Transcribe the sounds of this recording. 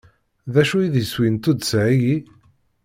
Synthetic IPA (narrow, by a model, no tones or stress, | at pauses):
ðæʃujiðjəswint̪ud̪sʕiʝi